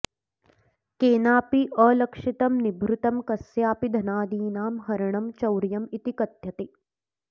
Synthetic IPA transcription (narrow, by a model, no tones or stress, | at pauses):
keːnaːpiʔɐːlɐkʂit̪ɐmnibʱɾut̪ɐmkɐsjaːpid̪ʱɐnaːd̪iːnaːmɦɐɾɐɳ̃ɐmt͡ʃɐwɾjɐmit̪ikɐt̪jɐt̪e